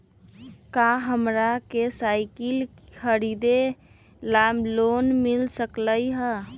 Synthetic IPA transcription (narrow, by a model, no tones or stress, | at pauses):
kaɦəmɾakesaɪkɪlkʰəɾid̪e | lamloːnmɪlsəkləiɦə